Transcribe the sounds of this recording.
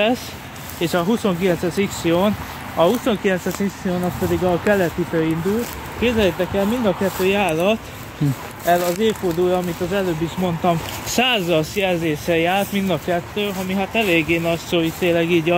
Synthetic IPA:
s | eːʃɒɦuso̞ŋkilɛnsɛsiksioːn | ɒhuso̞ŋkilɛnsɛʃiksijoːnɒspɛd̪iɡɒkɛlːɛt̪it̪øːind̪ult̪ | keːbzɛjɛt̪ɛkɛlmind̪ɒkɛt̪ːøːjaːlːɒt̪ | ɛlɒzeːfoːd̪uːjɒmit̪ɒzɛløːbːiʃmo̞nt̪ɒmsaːzɒsjɛlzeːʃɛjaːlt̪mind̪ɒkɛt̪ːøːɒmiɦat̪ɛleːɡːeːnɒtsoːit̪eːlːɛɡiːɟɒ

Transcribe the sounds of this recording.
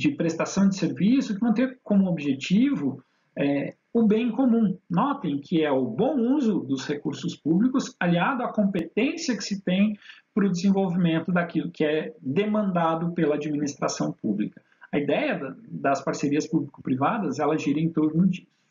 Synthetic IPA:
d͡ʒɪpɾest̪asɐ̃w̃d͡ʒɪseɾvisʊkɪvɐ̃w̃t̪eɾkõmʊobʒet͡ʃivʊ | ɛ | ʊbẽj̃komũnɔt̪ẽj̃kʰɪɛʊbõw̃uzʊd̪ʊshekuɾsʊspublikʊsaliad̪ʊakõmpet̪ẽsijɐkɪ̥sɪt̪ẽj̃pɾʊd͡ʒɪzẽvowvimẽnt̪ʊd̪akilʊkɪɛd̪emɐ̃nd̪ad̪ʊpelɐad͡ʒiminist̪ɾasɐ̃w̃publikɐ̥ | ɐid̪ɛjɐd̪ɐspaɾseɾiɐspublikʊ̥pɾivad̪ɐzɛlɐʒiɾ̃ẽt̪oɾnʊd͡ʒisʊ

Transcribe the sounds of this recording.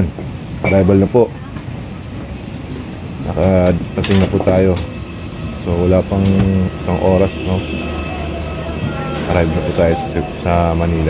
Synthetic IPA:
nʔɐɾajbɐlnɐpo̞ʔ | nɐkɐɾɐt̪ɪŋnɐpuːt̪aːjo̞ | so̞wɐlaːpɐŋɪsɐŋʔo̞ːɾɐsno | ʔɐɾajbɐlnɐput̪aːjosɐmɐniːla

